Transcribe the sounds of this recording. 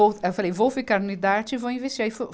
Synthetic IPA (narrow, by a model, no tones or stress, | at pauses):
oewfalejvowfikaɾnʊid̪aɾt͡ʃɪvowĩvest͡ʃiɾaifo